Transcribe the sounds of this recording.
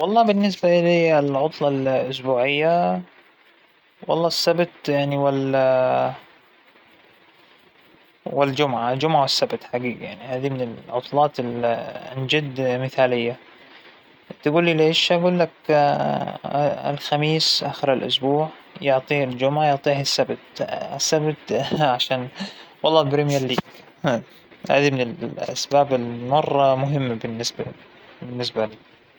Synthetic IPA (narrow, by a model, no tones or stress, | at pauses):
wɑlˤːɑːbɪnːɪs̬baʔɪliɪlʕʊt̪ˤlɑlʔʊsbuːʕɪjːa | wɑ̰lˤːɑːsːabt̪jaʕniwɪl | wɪld͡ʒʊmʕald͡ʒʊmʕawɪsːabt̪ħaɡiːɡja̰ʕnihaːd̪imɪnɪlʕʊt̪ˤlɑːt̪ɪlnd͡ʒɪd̪mɪθaːlɪjːa | t̪aɡuːlːileːʃʔaɡuːlːak | ɪ̰lxamiːsʔaːxɪɾɪlʔʊ̰sbuːʕjʊʕt̪ˤiːld͡ʒʊmʕajʊʕt̪ˤiːhasːabt̪ɪsːabt̪ʕaʃaːnwɑlˤːɑːlbɾemjaɾˤliːɡ | ha̰ːd̪imɪnɪlʔa̰sbaːbɪlmɑrˤːɑmʊɦɪmːbɪnːɪsba | bɪnːɪs̬baliː